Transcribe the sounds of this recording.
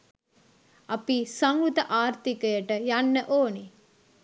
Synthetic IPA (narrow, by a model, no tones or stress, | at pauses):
ɐpisaŋut̪əʔaːɾt̪ikəjəʈəjanːəʔoːni